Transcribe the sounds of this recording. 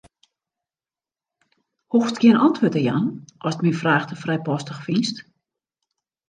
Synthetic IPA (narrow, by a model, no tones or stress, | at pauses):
hofstkʰɪənɑntʰʋoətəja̰nʔɔsətminfraːxtəfrɛjpɔstəxfinst